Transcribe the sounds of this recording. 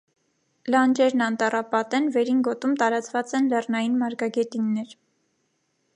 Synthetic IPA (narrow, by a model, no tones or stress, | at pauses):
lɑnd͡ʒɛɾnɑnt̪ɑrɑpɑt̪ɛnvɛɾinɡɔt̪umt̪ɑɾɑt͡svɑt͡sɛnlɛrnɑjinmɑɾɡɑɡɛt̪inːɛɾ